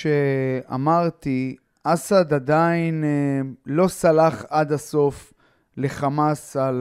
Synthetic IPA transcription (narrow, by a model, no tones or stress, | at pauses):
ʃea̰maʁt̪i | ʔasad̪ad̪ain | lo̞salaχad̪aso̞f | le̞χamasal